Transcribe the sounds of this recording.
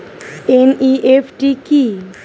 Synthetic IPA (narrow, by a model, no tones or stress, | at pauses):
eniʔepʰʈiki